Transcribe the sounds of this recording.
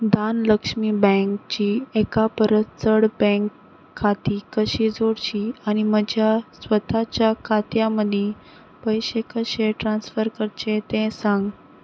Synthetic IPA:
d̪anləkʂmiːbɛ̃ŋkt͡ɕiːekapəɾət̪t͡səɽbɛ̃ŋkʰː | at̪iːkəɕiːd͡zoɽt͡ɕiːañiməd͡ʑʱjasʋət̪ʰat͡ɕjakʰat̪jaməd̪ʱe | pəjɕekəɕeʈɾansfəɾkəɾt͡ɕet̪ẽsãŋɡ

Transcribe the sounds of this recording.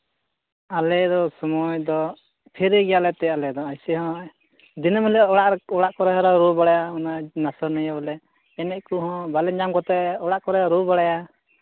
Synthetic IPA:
alɛd̪ɔsɔmɔjd̪ɔ | pʰɛɾɛɡɛjalɛt̪ɛjalɛd̪ɔajsiɦɔ̃ | d̪inɔməlɔɽaʔɔɽaʔkɔɾɛɦɾɔɾubaɽajaɔnanasɔɾnɔjabɔlɛ | ɛnɛʔkuɦɔ̃balɛɲamkɔt̪ɛɔɽaʔkɔɾɛɾubaɽaja

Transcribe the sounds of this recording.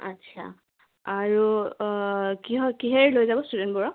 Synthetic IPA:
a̰tːsʰa̰ | aɹu | kiɦɔkiɦɛɹlojzabɔstudɛntbɔɹɔ

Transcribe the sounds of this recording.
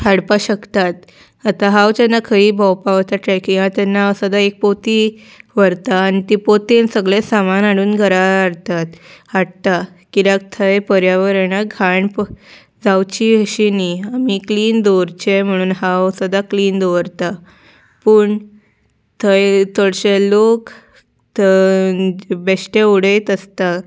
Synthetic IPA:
haɽpaɕəkt̪at̪ | at̪aɦawt͡ɕanːakʰəiːbʱɔwpaʋət̪aʈɾɛkĩŋɡat̪anːaəsəd̪aek̚pot̪i | ʋəɾt̪aːnit̪ipot̪ensəɡɭẽsamanaɽuːnɡʱəɾaɽt̪at̪aɽt̪a | kiɾak̚t̪ʰəjpəɾjaʋəɾenaɡʱaɳp | d͡zawt͡ɕiəɕiniamikliːnd̪oɾt͡ɕem̤əɽ̃uːnɦaʋsəd̪akliːnd̪oʋəɾt̪a | pəːɳ | t̪ʰəjt̪əɽɕelok̪ | beɕʈeuɽet̪əst̪a

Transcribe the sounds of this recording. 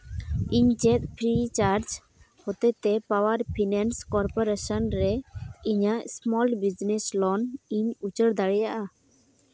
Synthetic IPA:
iɲt͡ʃɛt̪̚pʰɾit͡ʃaɾd͡ʒ | hɔt̪ɛt̪ɛpawəɾpʰinɛnskɔɾpɔɾesənɾɛiɲasmɔlbid͡ʒnɛslɔniɲut͡ʃəɽd̪aɽɛjaʔa

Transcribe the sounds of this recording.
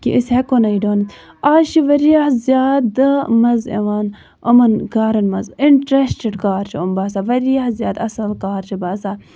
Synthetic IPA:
kḭʔishekonɐiɖoːnt̪ | aːʃiʋɐɾijahzjaːd̪mɐzḛʋaːn | ɐ̰mɐnɡaːɾɐnmɐziɳʈɾesʈeɖkaːɾt͡ʃʰiombaːsaːʋɐɾijahzʲjaːd̪ɐsɐlkaːɾt͡ʃʰibaːsaː

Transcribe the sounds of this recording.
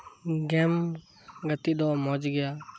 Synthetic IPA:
ɡɛm | ɡət̪id̪ɔmɔd͡ʒɡɛja

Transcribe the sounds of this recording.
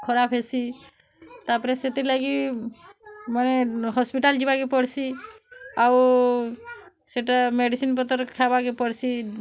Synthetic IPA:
kʰɔɾapʰɦesi | t̪apɔɾeset̪ilaɡi | maneɦɔspiʈald͡ʒibaɡipɔɽsi | aw | seʈameɖisinpɔt̪ɔɾkʰabaɡepɔɽsi

